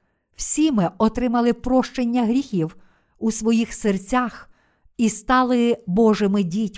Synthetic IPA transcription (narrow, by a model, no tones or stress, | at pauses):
w̥sʲimɪʔɔt̪ɾɪmɐlˠɪpɾɔʃt͡ʃenʲːɐɦɾʲixʲiw | usʋɔjixsert͡sʲax | ist̪ɑlˠɪbɔʒɪmɪdʲitʲ